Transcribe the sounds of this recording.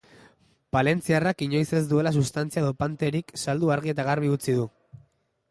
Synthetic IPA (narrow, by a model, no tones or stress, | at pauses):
pale̞nt͡siarakiɲo̞jse̞zd̪ue̞las̬ust̪ant͡siaeðo̞pant̪e̞ɾiksald̪uaɾɣ̞ie̞t̪aɣaɾβiut͡sið̞u